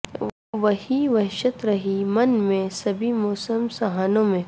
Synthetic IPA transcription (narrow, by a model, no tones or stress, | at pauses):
ʋɐɦiʋɐɦʃət̪ɾɐɦimɐnmẽsɐbʱimɔːsəmsɐɦaːnõmẽ